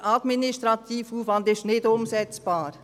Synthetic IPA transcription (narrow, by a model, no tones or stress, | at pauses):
ʔɑd̪minɪʃt̪ɾɑt̪ʰiːfuːfʋɑnd̪ɪʃnɪdʊmsɛt͡sb̥ɑːɾ